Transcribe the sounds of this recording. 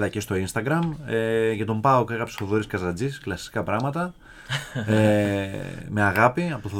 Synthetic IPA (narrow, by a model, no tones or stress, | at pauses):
ðɐcest̪o̞inst̪ɐɡɾɐmeʝɐt̪o̞mpɐokeɣɐpse̥θoðoɾiskɐzɐd͡zisklɐsi̥kɐpɾɐɣmɐt̪ɐ | e | meɐɣɐpiɐot̪oθo